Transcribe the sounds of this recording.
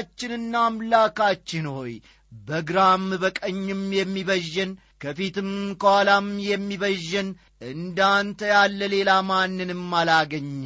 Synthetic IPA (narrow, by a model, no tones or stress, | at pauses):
t͡ʃːɪnɨnːaːmlakat͡ʃːɪnho̞j | bəɡɾamːbəkʼəɲːɪmjɛmːiβəʒːɛn | kʰəfit̪ɨmkʰəwalamjɛmːiβəʒːɛn | ʔɨnd̪ant̪ʰəjalːəle̞lamanːɨnɨmːalaɡəɲː